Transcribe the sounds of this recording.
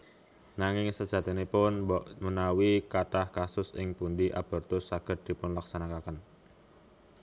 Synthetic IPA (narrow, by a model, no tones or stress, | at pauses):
naŋɪŋsəd̥ʒ̥ä̤t̪inepʊnmunawikaʈahkasʊsɪ̰ŋpundiʔa̰b̥ɔ̤rt̪ʊsːaɡ̥ə̤r̚d̪̥i̤pʊnlaksanakakən